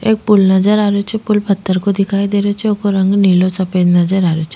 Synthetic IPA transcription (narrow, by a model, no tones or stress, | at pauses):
eːk̚pʊlnəd͡ʒəɾaːɾot͡ʃʰepʊlpʰət̪ːəɾkod̪ɪkʰaːid̪eːɾet͡ʃʰeoːkoɾɐ̃ŋɡniːlosɐpeːd̪nəd͡ʒəɾaːɾot͡ʃʰe̥